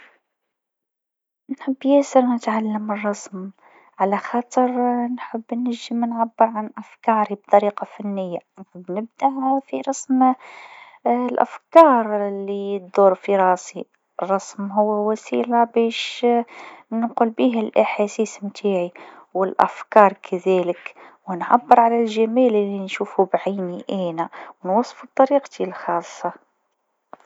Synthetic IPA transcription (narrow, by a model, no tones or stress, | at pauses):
nħəbːjɪsɪɾnɪt̪ʕalːəmərˤːɑsm | ʕalæxɑːt̪ˤəɾnħəbːnːɪəmnʕabːəɾʕanʔafkɑːɾib̚t̪ˤɑɾiːqɑfanːɪjːabnɪb̚d̪aʔfiɾˤɑsm | lʔa̰fkɑːɾˤlːit̪̚d̪uːɾˤfiɾˤɑːsi | rˤːɑsmɦʊwːæwæsiːlabæʃ | nqulbiːɦælʔaħasiːsmt̪ʰaːʕiwɪlʔæ̰fkɑːɾˤkʰæðæləkwɪnʕabːəɾʕalælʒæmælɪlːinʃuːfubʕiːniʔæːnæwnwɑsˤːfub̚t̪ˤːɑɾiːqt̪ʰilxɑːsˤːɑ